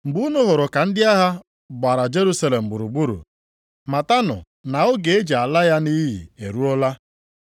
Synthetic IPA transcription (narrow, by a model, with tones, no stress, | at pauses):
m̩˨bu˦u˦nʊ˦ɦʊ˨ɾʊ˨ka˨n̩˦dɪ˦a˦ɦa˦ | ɡ͡ba˨ɾa˨d͡ʒe˦ɾu˦sa˦le˨m̩˨ɡ͡bu˨ɾu˨ɡ͡bu˦ɾṵ˨ | ma˨ta˦nʊ̰˨ | na˨ʊ˦ɡe˨e˦d͡ʒe˨a˨la˦ja˦ni˦ɦḭ˨e˨ɾu˦ɔ˦la˦